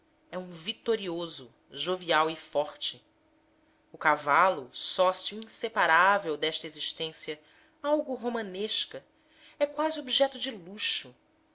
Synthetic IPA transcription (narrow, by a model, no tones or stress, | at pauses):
ɛũvit̪oɾiozʊ | ʒoviawɪfɔɾt͡ʃɪ | ʊkavalʊsɔsjuĩsepaɾavewd̪ɛʃt̪ɐeziʃt̪ẽsjɐ | awɡʊɦomɐ̃neʃkɐ | ɛkwaziobiʒɛt̪ʊd͡ʒɪluʃʊ